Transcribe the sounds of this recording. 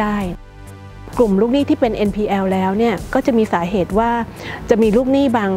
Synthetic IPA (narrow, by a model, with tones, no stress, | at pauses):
aː˥˩j | klu˨˩mluː˥˩k̚niː˦˥˩t̪ʰiː˥˩pe˧nʔe˧npʰiː˧ʔɛː˧wlɛː˦˥wni˥˩ɐkɔː˥˩t͡ɕa˨˩ʔmiː˧saː˩˦ɦeː˨˩t̪̚waː˥˩t͡ɕa˨˩miː˧luː˥˩k̚niː˥˩baː˧ŋ